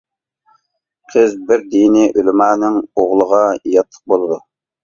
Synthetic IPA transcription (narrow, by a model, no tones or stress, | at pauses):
qʰəzbɪɾd̪iniʔylmɑːnɪŋoʁlˠəʁɑjɑt̪ʰːə̥q̚bolˠɨd̪u